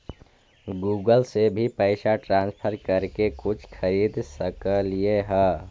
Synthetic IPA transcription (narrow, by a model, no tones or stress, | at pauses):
ɡuːɡəlsebʱipɛɪsaʈɾãːnspʰəɾkəɾkekʊt͡ʃʰxʰəɾiːd̪səkəlieɦɛ̃ː